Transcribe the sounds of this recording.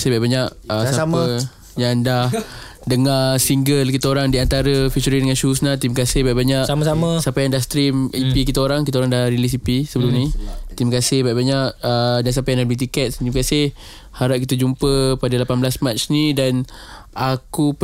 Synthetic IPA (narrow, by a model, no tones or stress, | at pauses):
sabaʔbaɲaʔəsaamə | jaŋdah | dəŋasiŋɡəlkit̪aoɾaŋdiant̪aɾəfit͡ʃuɾidəŋanʃusnat̪iməkasɪhbaʔbaɲaʔsaməsaməsapajaŋdahst̪ɾimipikit̪aoɾaŋkit̪aoɾaŋdahɾilis̬ipisəbəlumnit̪iməkasɪhbaʔbaɲaʔ̚ədansapajaŋndahbəlit̪̬ikɛt̪̚t̪iməkasɪh | haɾap̚kit̪ad͡ʒumpəpadalapanblasmat͡ʃnidan | akup